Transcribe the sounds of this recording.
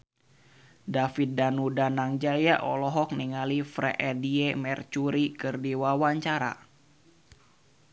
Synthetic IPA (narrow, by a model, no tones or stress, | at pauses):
dafit̪̚danudanaŋd͡ʒajaʔɔ̰lɔɦɔk̚niŋalifɾɛ̰ʔɛdiemɛrt͡ʃuɾikɨrdiwawaɲt͡ʃaɾa̰